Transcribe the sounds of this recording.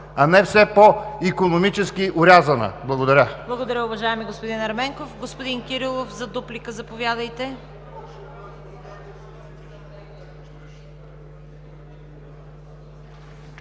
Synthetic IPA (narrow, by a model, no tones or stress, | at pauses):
ɐnɛfsɛpoikonomit͡ʃɛskiʔʊɾʲazɐnə̰blˠɐɡod̪ɐɾʲəblˠɐɡod̪ɐɾʲəʊvɐʒaɛmiɡospod̪inɐɾmɛŋkofɡospod̪inkʲiɾilˠofzɐd̪uplikəzɐpovʲjad̪ɐjt̪ɛ